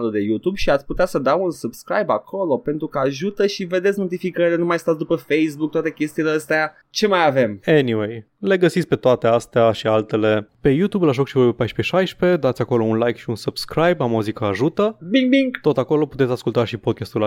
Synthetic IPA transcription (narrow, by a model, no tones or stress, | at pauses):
lud̪e̞jut̪ubʃiat̪sʲput̪easəd̪awunsubskɾa̰jbakʰo̞lo̞pe̞nt̪ɾukəaʒut̪əʃive̞d̪e̞t̪sʲno̞t̪ifikəɾilenumajst̪at̪sd̪upəfejsbuk̚t̪wat̪ekʲe̞st̪ileəst̪ea | t͡ʃe̞majave̞meniwe̞j | le̞ɡəsit̪sʲpe̞t̪oat̪e̞ast̪eaʃialt̪e̞le̞pe̞jut̪ublaʒokʃivojpepajʃpe̞ʃajʃpe̞d̪at̪sʲako̞lo̞unlajkʃiunsub̥skɾajbamoozikəaʒut̪əbiŋɡbiŋɡt̪o̞t̪ako̞lo̞put̪esʲaskult̪aʃipo̞d̪̚kʲast̪ul